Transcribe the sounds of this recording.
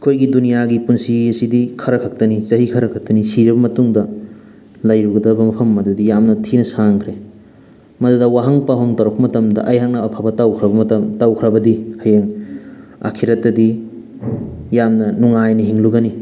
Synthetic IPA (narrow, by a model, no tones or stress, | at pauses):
kʰojɡidunijaɡipunsiɐsidikʰɐɾɐkʰɐk̚tɐnizɐɦikʰɐɾɐkʰak̚tɐnisiɾibɐmɐtuŋdɐ | lɐjɾuɡɐdɐbɐmɐpʰɐmːɐdudijamnɐtʰinɐsaŋkʰɾe | mɐdudɐwaɦɐŋpaɦoŋtɐɾok̚pɐmɐtɐmdɐ̰ʔɐjɦak̚nɐːpʰabɐtawkʰɾɐbɐmtɐtawkʰɾɐbɐdihɐjeŋ | a̰kʰiɾɐtːɐdi | jamnɐnuŋajnɐɦiŋluɡɐni